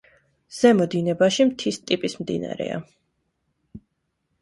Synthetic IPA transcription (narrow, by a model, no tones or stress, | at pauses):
z̥ɛmɔd̪inɛbaʃimt̪ʰist̪ʼipʼismd̪ḭna̰ɾɛ̰a̰